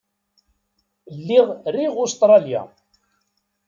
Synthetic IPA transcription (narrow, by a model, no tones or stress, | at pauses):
lːiʁriʁʊst̪ɾˤɑlja̰